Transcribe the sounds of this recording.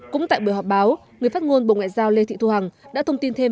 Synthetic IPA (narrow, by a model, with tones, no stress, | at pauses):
kʊ̰˧˥ŋ͡mt̪a̰ː˧˨jɓu˧˩əjɦɔ˨˩p̚ɓaː˨˦w | ŋɨ˨˩əjfa˦˥ŋo˧nɓo̰˧˨ŋa̰ː˧˨jzaː˧wle˧t̪ʰḭ˧˨t̪u˧ha˨˩ŋɗa̰ː˧˥t̪ʰə˧wŋ͡mt̪i˧nt̪ʰe˧m